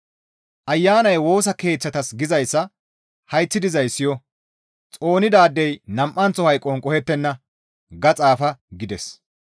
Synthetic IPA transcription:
ʔɐjːaːnɐjwo̞ːs̬ɐke̞ːt͡sːɐt̪ɐsɡɪzɐjsːɐ | hɐjt͡sːɪd̪ɪzɐjsːɪjɔ | t͡sʼo̞ːnɪd̪aːd̪ːɛjnɐmʔːɐnt͡sːɔhɐjkʼːɔnkʼɔhɛt̪ːɛnːɐ | ɡɐt͡sʼaːfɐɡɪd̪ɛs

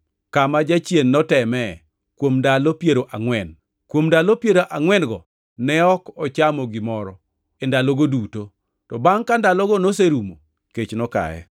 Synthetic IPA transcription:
kamad͡ʒat͡ʃjenːɔtɛmɛ | kwomndalopjeɾoʔaŋwɛn | kwomndalopjeɾoʔaŋwɛnɡɔ | nɛɔkɔt͡ʃamɔɡɪmɔɾɔ | endaloɡoduto | tɔbaŋkandalɔɡɔnos̬eɾumo | ket͡ʃnɔka̰jɛ̰

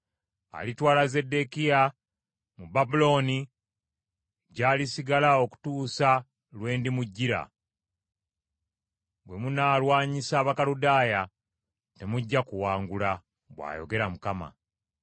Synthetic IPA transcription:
a̰litwaːlaze̞de̞kija | mubabulo̞ːni | ɟaːlisiɡalao̞ku̥tuːsa | lwe̞ːndimuɟːiɾa̰ | bwe̞munaːlwaːɲisaːβakaludaːja | te̞muɟːakuwaːŋɡula | bwa̰ːjo̞̰ɡe̞ɾamukama̰

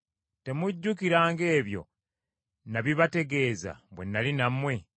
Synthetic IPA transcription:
te̞muɟːukiɾaːŋɡe̞ːβjo̞̰ | naβiβate̞ɡe̞ːza̰βwe̞̰nːalinamwe̞

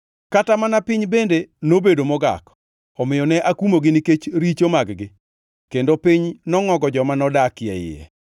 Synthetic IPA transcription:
katamanapɪɲbendenobedomɔɡa̰k | ɔmɪjɔnɛʔakumoɡɪniket͡ʃɾit͡ʃomaɡɡɪ | kendopiɲnɔŋɔɡɔd͡ʒɔmanɔdakjɛ̰jɪ̰ɛ̰

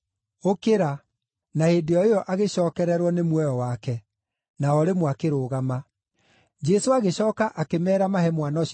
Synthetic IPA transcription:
okeɾa | nahedeɔejɔʔaɣeɕɔːkɛɾɛɾwɔnemwɛjɔwakɛ | naɔɾemwakeɾoːɣama | d͡ʒɛsoaɣeɕɔːkaʔakemɛːɾamaɦɛmwanɔɕ

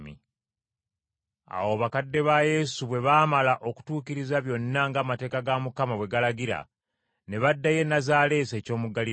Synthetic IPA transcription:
mḭ | a̰woβakadːe̞βaje̞suβwe̞βaːmalaʔo̞ku̥tuːkiɾizaβjo̞nːaŋɡaːmate̞ːkaɡamukamawe̞ɡalaɡiɾa̰ | ne̞βadːaje̞nazaːle̞ːse̞ːco̞ːmuɡali

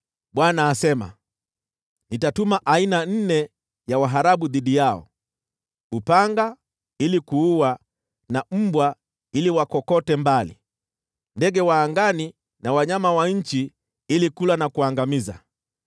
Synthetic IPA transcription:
ɓwanaːsɛma̰ | nitatumaʔainan̩nɛ | jawaɦaɾaɓuðiɗijaɔ̰ | upaŋɡa | ilikuuwa | nam̩bwa | iliwakɔkɔtɛmbalḭ | ndɛɡɛwaːŋɡani | nawaɲamawaɲ̩t͡ʃi | ilikulanakuaŋɡamiza̰

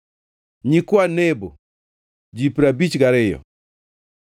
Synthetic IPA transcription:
ɲikwanebo | d͡ʒipɾabit͡ʃɡaɾɪjɔ̰

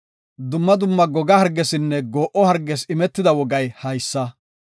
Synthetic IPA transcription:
d̪ʊmːɐd̪ʊmːɐɡɔɡɐhɐɾɡːɛsɪnːɛɡoːʔɔhɐɾɡɛsɪmɛt̪ːɪd̪ɐwɔɡɐjhɐjsːɐ

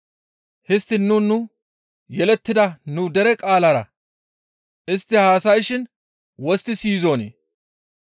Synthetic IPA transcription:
hɪst̪ːɪnːʊnːʊ | jɛlɛt̪ːɪd̪ɐnʊd̪ɛɾɛkʼaːlɐɾɐ̰ | ʔɪst̪ːɪhaːsɐjʃɪn | wɔst̪ːɪsiːzoːnḛː

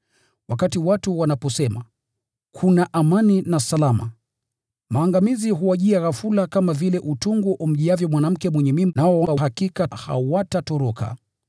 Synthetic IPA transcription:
wakatiwatuwanapɔsɛma | kʰunaʔamaninasalama̰ | maːŋɡamiziɦuwaʄiaɣafulakamavilɛʔutuŋɡuʔum̩ʄiavjɔmwanam̩kɛmwɛɲɛmimnaɔwaɦakikaha̰watatɔɾɔka̰

